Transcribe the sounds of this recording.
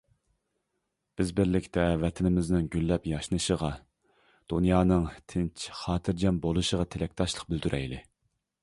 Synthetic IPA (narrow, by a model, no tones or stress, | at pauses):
b̥ɪzbɪɾlɪkʲt̪ʰɛvɛt̪ʰɪnɪmɪznɪŋɡʲylːɛpjɑʃnɨʃəʁɑ | d̪̥unjɑːnɨŋt̪ʰɪnt͡ʃʰχɑːt̪ʰɪɾd͡ʒɑmbolˠuʃəʁɑt̪ʰelɛk̚ʲt̪ʰɑʃlˠə̥q̚byld̪yɾʔɛ̰jlɪ